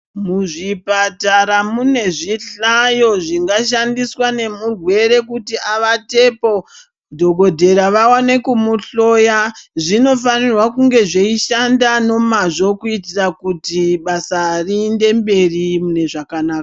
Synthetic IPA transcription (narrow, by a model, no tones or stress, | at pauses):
muʐipataɾamune̞ʐiɬajo̞ʐiŋɡaʃ̬andiswane̞murwe̞ɾe̞kutiaʋate̞po̞ | dʱo̞ɡo̞dʱe̞ɾaʋawane̞kumuɬo̞jaʐino̞fanirwakuŋɡe̞ʐeiʃandano̞maʐo̞kuitirakutiɓasariːnde̞mbe̞rimune̞ʐakanaːka